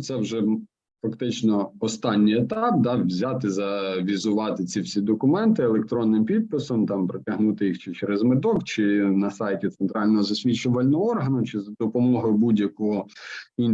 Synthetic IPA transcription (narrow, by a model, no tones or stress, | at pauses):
t̪sɛwʒɛ | fɐkt̪ɪt͡ʃnɔɔst̪ɑnʲːijet̪ɑp̚d̪ɑʋzʲɑt̪ɪzɐʋʲizʊʋɑt̪ɪt͡sʲiwsʲid̪ɔkʊmɛnt̪ɪelˠek̚t̪ɾɔnːɪmpʲid̪̚pɪsɔmt̪ɑmpɾɪtʲɐɦnut̪ɪjixt͡ʃɪt͡ʃeɾezmɪd̪ɔkt͡ʃɪnɐsɑjtʲit̪sent̪ɾɑlʲnɔɦɔzɐsʲʋʲit͡ʃʊʋɐlʲnɔɦɔɔrɦɐnʊt͡ʃɪzɐd̪ɔpɔmɔɦɔjʊbudʲjɐkɔɦɔin